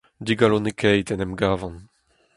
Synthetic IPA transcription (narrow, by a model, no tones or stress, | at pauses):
d̪iɡalonekʰɛjt̪ɛnɛmɡaːvɑ̃n